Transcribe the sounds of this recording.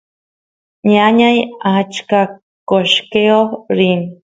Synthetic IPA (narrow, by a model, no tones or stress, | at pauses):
ɲaɲajat͡ʃka | koʃkeoɾin